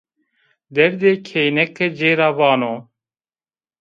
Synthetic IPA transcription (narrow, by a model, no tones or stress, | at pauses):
d̪ɛɾd̪eːkʰejnɛkːɨd͡ʒeːɾaːvɑːnoː